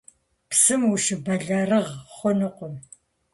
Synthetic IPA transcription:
psɨmuʃɨbɐɮarɨʁχʷɔnɨqʷɔm

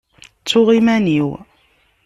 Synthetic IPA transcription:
t͡sːʊʁimæniw

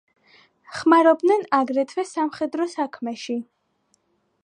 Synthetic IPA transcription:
χmaɾɔb̚d̪nɛnaɡɾɛt̪ʰwɛsamχɛd̪ɾɔsakʰmɛʃi

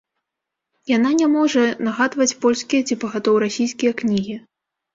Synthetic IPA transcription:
jananʲɛmɔʐɐnaɣad̪vɐt͡sʲpɔlʲskʲijɐt͡sʲipɐɣat̪ɔwɾasʲijskʲijɐknʲiɣʲi

